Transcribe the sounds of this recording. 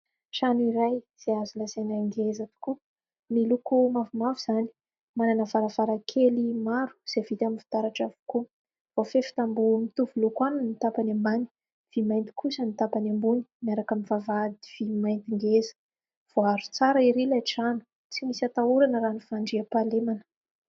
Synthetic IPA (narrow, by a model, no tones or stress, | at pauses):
ʃanuiɾajz̥eazulasenaŋɡezat̪u̥ku | milukumavumavuz̥ani̥ | mananəvaɾavaɾakʰelimaɾu̥z̥evit̪aminfi̥t̪aɾaʈ͡ʂavu̥ku | vofefi̥t̪ambumit̪uvulukwanunit̪apanamani̥ | v̥imajnt̪i̥kʰusənit̪apanambuni̥miaɾakamivavad̪iv̥imajnt̪iŋɡezə̥ | v̥oaɾut͡saɾaiɾilajʈ͡ʂanə̥ | t͡simisat̪auɾanəɾanifaɳɖ͡ʐiapalemanə̥